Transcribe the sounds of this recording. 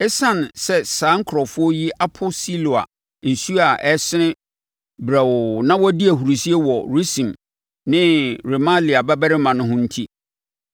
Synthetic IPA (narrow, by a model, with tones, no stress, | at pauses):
ɛ˦sã˦nsɛ˦sãː˨˦ŋ̩˦kʰɾɔ˨fʊ˦ɔ˦ji˦ʔa˦pʰʊ˦si˦lo˨a̰˨ | n̩˨su˦a˨ʔɛ˦sɪ˦nɪ̃˦ | bɾa˨wʊ˨nã˦wɔ˦di˦æ˨hu˨ɾu˨si˦e˦wɔ˨ɾu˦sĩ˨m | nɪ̃˦ɾe˨mã˦li˨a˨ba˦bɛ˦ɾɪ˦mã˨nʊ̃˦ɦʊ̃˦n̩˦tʰi˦